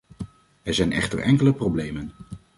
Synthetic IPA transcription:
ɛɹzɛjnɛ̰χtə̰ɹʔɛŋkələproblejmən

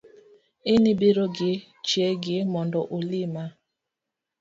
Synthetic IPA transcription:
inibiɾoɡɪ | t͡ʃieɡɪmɔndɔʔolima

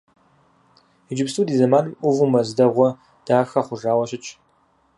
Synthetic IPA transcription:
id͡ʒɪpsʰuːdiːzɐmaːnɨmʔʷʊʁʷʊmɐzdɐʁʷɔ | d̥aːxɐχʷʊʒaːwɐɕɪt͡ʃʼ

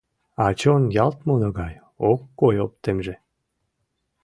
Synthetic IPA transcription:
ɑt͡ɕonjɑlt̪monoɣɑj | okːojop̚t̪emʒe

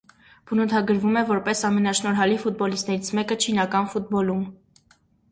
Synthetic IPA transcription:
b̥ənut̪ʰɑɡəɾvumɛvɔɾpɛsɑmɛnɑʃnɔɾɦɑlifut̪̚bɔlist̪nɛɾit͡sʰmɛkət͡ʃʰinɑkɑnfut̪̚bɔlum

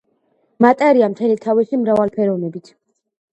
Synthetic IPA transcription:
mat̪ʼaɾiamt̪ʰɛlit̪ʰavisimɾavalpʰɛɾɔnɛbit̪ʰ

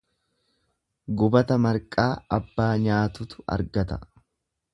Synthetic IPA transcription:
ɡʊbɐt̪ɐmɐɾkʼaːɐbːaːɲaːt̪ʊt̪ʊ̥ɐ̰ɾɡɐt̪ɐ̥

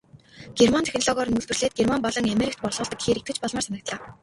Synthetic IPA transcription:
ɡ̥ermant̪ʰxʲnɔɮɔɣɔːɾ̆nuɮt̪ɘ̆rɮeːt̪̚ɡermampɔɮɞ̆ŋameɾik̚t̪pɔrɮʁʊːɮt̪ə̆kɡe̥xeːɾekt̪ɡɘ̆t͡ɕpɔɮmaːrsanə̆k̚t̪ɮaː

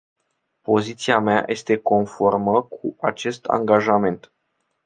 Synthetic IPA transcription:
po̞zit̪siameajʔe̞st̪e̞ko̞nfo̞rməkʰuat͡ʃe̞st̪a̰ŋɡaʒame̞nt̪

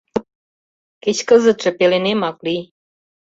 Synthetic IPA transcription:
ket͡ɕkəzə̆t̪ʃɤ̆pelenemɑklij

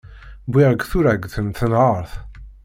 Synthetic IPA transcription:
biʁəɡθuɾæɡθənθənʁəɾˤθ

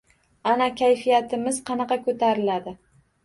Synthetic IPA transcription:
anakʲʰajfijat̪ʰɪmɪzqʰɑnɑqɑkʰɵt̪ʰaɾɪlad̪ɪ

